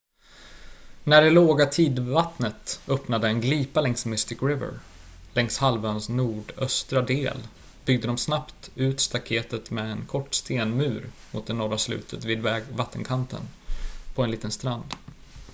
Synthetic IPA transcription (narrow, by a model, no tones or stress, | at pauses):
næɖɛloːɡat̪ʰiːd̪vat̪nət̪œpnad̪əɛnɡliːpalɛŋsmɪst̪ɪkɾɪvə̰ɾlɛŋshalvœːnsnuːɖœst̪ɾad̪ḛːl | b̥ʏɡ̚d̪əd̪ɔmsnapt̪ʉ̟ːt̪st̪akʰeːt̪ət̪mɛɛnkʰɔʈːst̪eːnmʉ̟ːɾmʊ̰t̪̚d̪ɛnɔɾaslʉ̰ːt̪ʰət̪viːd̪vat̪ʰːənkʰant̪ə̰npʰɔɛnliːt̪ənst̪ɾand̪